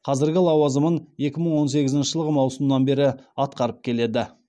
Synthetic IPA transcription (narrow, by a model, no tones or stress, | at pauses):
qʰɑzɪɾɡʲɪlˠɑwɑzəmənje̞kʲɪməɴwo̞nse̞ɡʲɪzɪnʃəʒəlˠəʁəmɑwsəmnɑnbe̞ɾɪɑt̪̚qɑɾəp̚kʲʰe̞le̞d̪ɪ